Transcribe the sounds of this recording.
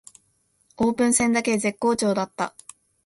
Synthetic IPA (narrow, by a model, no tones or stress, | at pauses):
o̞ːpɯ̟̃ɰ̃sẽ̞nd̪ake̞ze̞kːo̞ːt͡ɕo̞ːd̪at̪ːa̰